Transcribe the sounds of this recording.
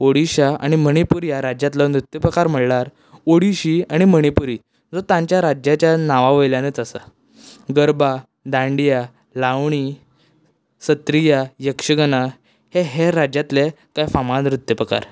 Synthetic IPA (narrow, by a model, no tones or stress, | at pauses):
oɽiɕaa̰ɽ̃iməɽ̃ipuɾjaɾad͡ʑjat̪lɔnɾut̪jəpɾəkaɾm̤əɭɽlaɾ | oɽiɕiaɽ̃iməɽ̃ipuɾi | d͡zot̪ãɲt͡ɕjaɾad͡ʑjat͡ɕjanaʋaʋəjljanət͡sasa | ɡəɾba | d̪ãɳɖija | laʋɳi | sət̪ɾijajəkʂəɡəna | heɦeɾːad͡ʑat̪le | kajfamanɾut̪jəpɾəka̰ɾ